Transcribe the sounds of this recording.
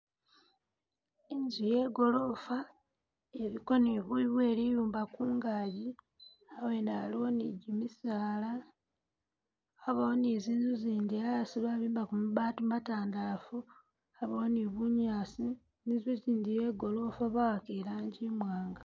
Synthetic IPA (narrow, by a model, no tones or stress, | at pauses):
inzuje̞ːɡo̞lo̞fa | eβiko̞niβiβweːlijuːmbakuːŋɡaːɟi | awenaliwoniɟimisaːla | βawoniziːnzuziːndijaasiβaβiːmbakumuβaːtumataːndaːfu | aβawoniβuɲaːsi | nizuziːndije̞ɡo̞lo̞faβawakelaːɲɟimwaːŋɡa